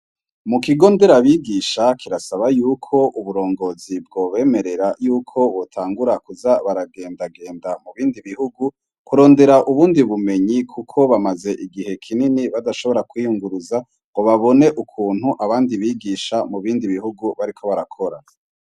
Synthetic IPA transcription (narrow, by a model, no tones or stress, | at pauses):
mukiɡo̞ːnde̞ɾaβiːɡiʃakʰiɾasaβajuːkʰo̞ʔuβuɾo̞ːŋɡo̞ːzib̚ɡo̞ːβe̞ːme̞ɾe̞ɾajuːkʰo̞βotʰaːŋɡuɾakuzaβaɾaɡe̞ːndaɡe̞ːndamuβiːndiβihuɡu | kuɾo̞ːnde̞ɾaʔuβuːndiβume̞ɲikʰukʰo̞βamaze̞ʔiɡihe̞kʰininiβadaʃo̞βo̞ɾakwijuŋɡuɾuza | oβaβo̞ne̞ʔukʰuːn̥huʔaβaːndiβiːɡiʃamuβiːndiβiɦuɡuβaɾikʰo̞βaɾakʰo̞ɾa̰